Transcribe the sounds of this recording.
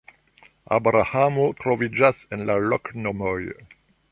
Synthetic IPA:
a̰bɾahamotɾovid͡ʒasenlaloknomoj

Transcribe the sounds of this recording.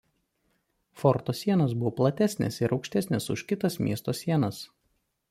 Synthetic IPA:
fɔɾt̪oːsʲiɛnɐs̬bʊʋoːplˠɐt̪ʲæsʲnʲɛ̰sɪɾʔɒʊkʃʲt̪ʲɛsʲnʲɛsʊ̰ʃkʲɪt̪ɐsmʲḭɛst̪oːsʲiɛnɐs

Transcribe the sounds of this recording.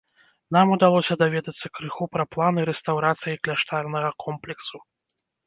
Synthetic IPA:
n̪amud̪alˠɔsʲɐd̪avʲɛd̪ɐt̪sːɐkɾɨxupɾɐplˠanɨɾɛst̪awɾat̪sɨjiklʲaʂt̪alnɐɣɐkʰɔmplʲɛksu

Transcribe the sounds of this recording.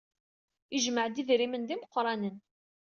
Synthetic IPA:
iʒməʕd̪iðɾimənd̪iməqːɾˤɑnən

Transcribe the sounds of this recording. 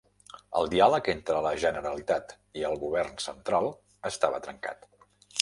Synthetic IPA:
ə̰lˠd̪ialəkent̪ɾələʒənəɾəlit̪at̪ | iəlˠɣuβ̞ɛrnsənt̪ɾalˠ | əst̪aβət̪ɾəŋka̰t̪

